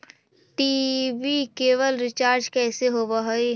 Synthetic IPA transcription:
ʈiːbikeːʋəlɾɪt͡ʃaːɾd͡ʒkɛːseɦoːbaɦoi

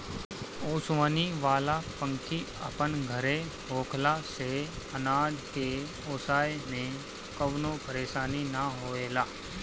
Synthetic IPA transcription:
oːsʋaːniʋaːlapə̃ŋkʰi | ɐ̰pənɡʱəɾe | ɦoːkʰlase | ɐnaːd͡ʒʱke | oːsaːjmẽ | kɐʋnopɐɾeːʃaːninəɦoːeːlaː

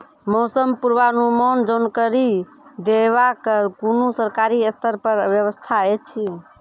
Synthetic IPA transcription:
mosəmpuɾʋanumond͡ʒənkəɾi | d̪eβakəkunusəɾkaɾiəst̪ʰəɾpəɾbjəβəst̪ʰaet͡ʃʰi

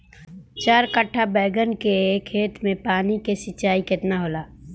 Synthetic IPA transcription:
t͡ʃaːɾkəʈʰːabɛːɡənkekʰːeːt̪ʰmẽpaːnikesɪtːt͡ʃaːikɪt̪naɦoːlaː

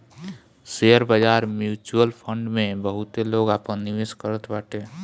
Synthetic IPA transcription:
seəɾbad͡ʒaːɾmjuːt͡ʃuəlpʰə̃ɳɖmẽbəɦʊt̪eloːɡaːpə̃nɪʋɪskəɾət̪baːʈeː

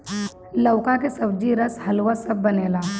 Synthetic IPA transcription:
lɐʊkakesɐbd͡ʒiɾɐshɐlwasɐbːɐneːlaː

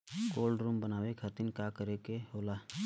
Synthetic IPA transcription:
ɡoːlɖɾuːmbənaːʋekʰəɾt̪inkakəɾekeɦoːlaː

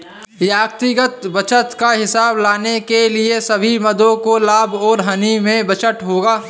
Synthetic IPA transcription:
jaːɡt̪iɡət̪bət͡ʃʰət̪kaɦɪsaːblaːnekeliesɐbʱimɐd̪õkolaːbʱɔːɾɦɐnimẽbət͡ʃəʈɦoːɡaː

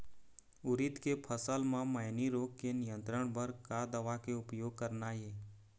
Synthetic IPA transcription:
ʊɾɪt̪kepʰəsəlmãməːniɾoːkkenɪjə̃nt̪ɾəɽ̃bəɾkad̪əʋakeʊpjoːɡ̚kəɾnajeː

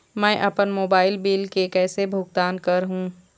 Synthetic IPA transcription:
mɛ̃ːʔɐpənmoːbaːɪlbiːlkekɛːsebʱʊɡ̚t̪aːnkɐɾɦũː

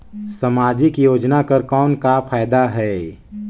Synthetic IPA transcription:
səmaːd͡ʒikijoːd͡ʒnakəɾkɔːnkafʰaːjd̪aɦɛː

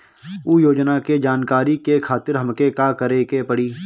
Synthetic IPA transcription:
uːjoːd͡ʒnaked͡ʒaːnkaːɾikekʰaːt̪ɪɾɦəmkekaːkəɾekepəɽiː

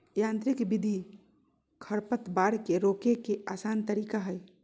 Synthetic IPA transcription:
jãnt̪ɾikbid̪ʱi | kʰəɾpət̪baɽkeɾokekeʔasant̪əɾikaɦəj

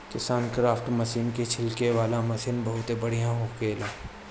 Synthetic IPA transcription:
kɪsaːnkɾaːfʰʈmɐsiːnket͡ʃʰɪlkeʋaːlamɐsiːnbɐɦʊt̪ebɐɽ̤ijãɦokeːleː

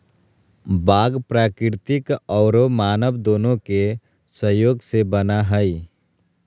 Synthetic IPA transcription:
baːɡpɾaːkɾɪɾt̪ɪkɔːɾomaːnəʋd̪oːnõke | səjoːɡsebənaɦəi

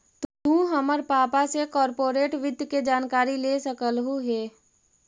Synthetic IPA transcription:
t̪t̪ũːɦəməɾpaːpasekɔːɾpoːɾeːʈʋɪd̪ʱjəked͡ʒaːnkaːɾileːsəkəlɦuɦeː

